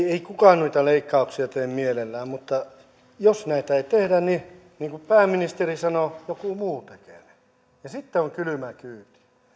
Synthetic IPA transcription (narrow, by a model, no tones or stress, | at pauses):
eikukɑːnnuit̪ɑleikːɑˑuksiɑt̪eːmmielelːæːmmut̪ːɑ | josnæit̪æeit̪ehdænni | niːŋkupæːmːinist̪erisɑnojokumuːt̪ekene̥ | jɑsit̪ːeoŋkylymækyːt̪i̥